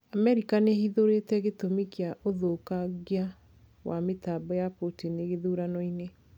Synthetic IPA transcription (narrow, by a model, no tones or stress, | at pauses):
amɛɾikanehiðoɾetɛɣetomikiaʔoðokaɣia | wametaːbɔjapotineɣeðuɾanɔine